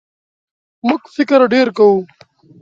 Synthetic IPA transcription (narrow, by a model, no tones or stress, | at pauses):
mʊkfɪkɾɖeːɾkau